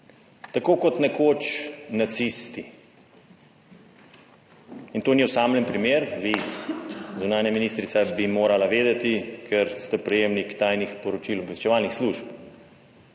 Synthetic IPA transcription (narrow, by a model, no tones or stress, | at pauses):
t̪akoːkɔt̪nɛkoːt͡ʃnat̪sist̪i | int̪oːniɔsaːmlənpɾimeːɾʋi | zunaːnjaminist̪ɾit̪sabimoːɾalaʋeːd̪ɛt̪ikʰɛɾst̪ɛpɾɛjeːmnikt̪aːjnixpɔɾɔt͡ʃilbɛst͡ʃɛʋaːlnixsluʃp